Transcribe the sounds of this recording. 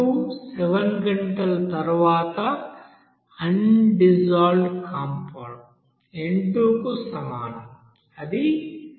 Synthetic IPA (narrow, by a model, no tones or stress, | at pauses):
useʋɐnɡɐɳʈɐlɐt̪ɐɾuʋaːt̪ɐ | ɐnɖid͡ʒaːlɖkaːmpɐːɳ | eɳʈuːkusɐmaːnɐm | ɐd̪i